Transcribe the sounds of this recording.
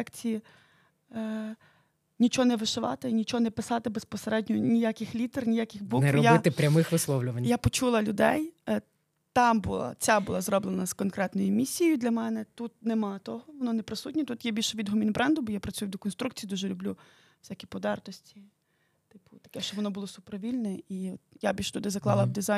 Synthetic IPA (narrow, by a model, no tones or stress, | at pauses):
ɛkt͡sʲiji | nʲit͡ʃɔɦɔnɛʋɪʃɪʋɑ̰t̪ɪnʲit͡ʃɔɦɔnɛpɪsɑt̪ɪbespɔseɾɛdʲnʲɔnʲijakʲɪxlʲit̪ɛrnʲijakʲɪxbunɛɾɔjbaɪt̪ɪpɾʲɐmɪxʋɪslˠɔʋlʲʊʋɐnʲjapɔt͡ʃulˠɐlʲʊd̪ɛ̰j | t̪ɑmbʊ̰lˠa̰t͡sʲabʊlˠazrɔblˠenɐz̥kɔnkɾɛt̪nɔjʊmʲisʲːijʊd̪lʲɐmɛnɛt̪ut̪̚nemɑt̪ɔɦɔʋɔnɔnɛpɾɪsutʲnʲɛt̪ut̪jɛbʲilʲʃɛʋʲid̪ɦɔmʲinbɾɛnd̪ʊbɔjapɾɐt͡sʲujʊd̪ɔkɔnst̪ɾuk̚t͡sʲijːd̪uʒɛlʲʊblʲu | wsʲakʲipɔd̪ɑrt̪ɔsʲtʲi | t̪ɪpʊt̪ɐ̥kɛʃt͡ʃɔbʋɔnɔbʊlˠɔsʊpɾɔʋʲilʲnɛiɔt̪̚jabʲilʲʃt̪ud̪ɪzɐklˠɑ̰lˠɐd̪ɪza